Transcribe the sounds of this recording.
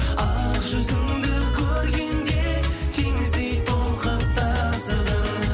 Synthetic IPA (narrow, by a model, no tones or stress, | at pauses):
ɑʒʏzɪŋd̪ɪkʲʰɵɾɡʲe̞nd̪e̞t̪ʰeŋɪzd̪ejt̪ʰolˠqəp̚t̪ʰɑsəd̪ə